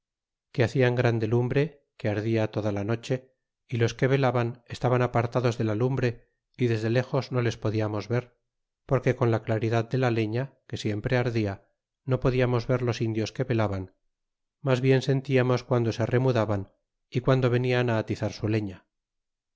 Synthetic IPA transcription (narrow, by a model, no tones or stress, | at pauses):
keaθiaŋɡɾand̪e̞lumbɾe̞ | keaɾðiat̪o̞ðalano̞t͡ʃe̞ | ilo̞ske̞β̞e̞laβanest̪aβanapaɾt̪aðo̞zðelalumbɾe̞ | iðe̞zðele̞xo̞zno̞le̞spo̞ðiamo̞zβe̞ɾ | po̞ɾke̞ko̞nlaklaɾiðaðd̪e̞lale̞ɲake̞sje̞mpɾe̞aɾðia | no̞poðiamo̞zβe̞ɾlo̞sind̪jo̞ske̞βe̞laβan | mazβje̞nse̞nt̪iamo̞skwand̪osere̞muðaβan | ikwand̪o̞β̞e̞nianaːt̪iθaɾsule̞ɲa